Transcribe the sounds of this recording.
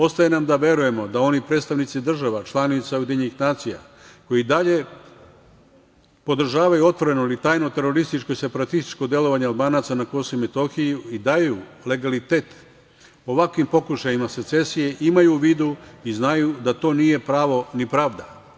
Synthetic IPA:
o̞st̪ajenamd̪aʋje̞ɾuje̞mo̞d̪ao̞nipɾe̞ːt̪st̪aʋnit̪sid̪r̩ʒaʋat͡ʃlˠanit̪saojed̪ʲeɲenixnaːt̪sija̰ | ko̞jid̪aʎe | po̞d̪r̩ʒaːʋajuo̞t̪ʋo̞ɾe̞noilit̪aːjnot̪e̞ɾo̞ɾist̪it͡ʃko̞ise̞paɾat̪ist̪i̥t͡ʃkod̪je̞lo̞ʋaɲealˠbaːnaːt̪sanako̞soime̞t̪o̞xijuid̪ajjule̞ɡalit̪e̞ːt̪ | oʋakʋimpo̞kuʃajimase̞t̪se̞sije̞ʔimajuʋiːd̪uiznajud̪at̪o̞ːnije̞pɾaːʋo̞nipɾaːʋd̪a

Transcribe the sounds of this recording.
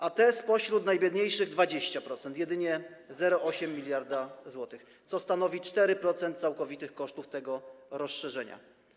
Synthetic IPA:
ʔat̪ɛspɔɕɾut̪najbʲjɛd̪ɲejʂɘɣd̪vad͡ʑeɕt͡ɕapɾɔt̪sɛnt̪jɛd̪ɘɲɛzɛɾɔɔɕɛmʲːilʲjaɾd̪azwɔt̪ɘx | t̪sɔst̪anɔvʲit͡ʂt̪ɛɾɘpɾɔt̪sɛnt̪̚sawkɔvʲit̪ɘxkɔʂt̪uft̪ɛɡɔɾɔsʂɛʐɛɲa̰

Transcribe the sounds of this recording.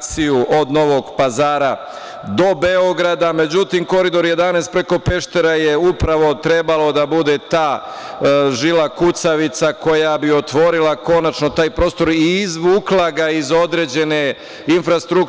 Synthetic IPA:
sijuʔo̞d̪no̞ʋo̞ɡpazaːɾa | d̪o̞be̞oɡɾad̪ame̞d͡ʑut̪imko̞ɾid̪o̞ɾje̞d̪anest̪̚pɾe̞ko̞pe̞ʃt̪e̞ɾaje̞upɾaʋo̞t̪ɾe̞balo̞d̪abud̪e̞t̪aː | ʒilakut̪saʋit̪sako̞jabio̞t̪ʋo̞ɾilˠako̞nat͡ʃno̞t̪aːjpɾo̞ːst̪o̞ɾiːzʋuːklaɡaizo̞d̪ɾe̞ːd͡ʑe̞ne̞ | infɾast̪ɾuk

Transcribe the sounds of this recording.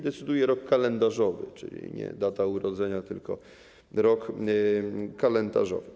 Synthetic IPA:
d̪ɛt̪sɘd̪ujɛɾɔkːalɛnd̪aʐɔvɘt͡ʂɘ̰lʲḭɲɛ̰d̪at̪auɾɔd̪zɛɲat̪ɘ̰lkɔ̰ | ɾɔk | kalɛnd̪a̰ʐɔ̰vɘ

